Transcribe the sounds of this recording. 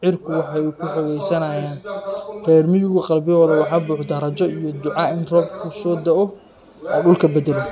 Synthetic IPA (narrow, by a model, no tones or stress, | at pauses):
ʕɪrkʰʊwɑħɑjkʰʊħɔɣɛjsɐnɐjaːnfɛːrmɪjʊɣɐqɑlbɪɔːðɐwɑħɑːbuːħd̪ɐɾɐt͡ʃɔijɔd̪ʊʕɑɪnrɔːb̚kʰʊsɔːd̪ɐʔɔ | ɔːɖʊlkʰɐbɐd̪ɛlɪ